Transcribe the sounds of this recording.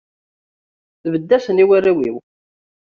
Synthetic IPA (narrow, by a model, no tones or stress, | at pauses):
θvəd̪ːæsəniwærːæwiw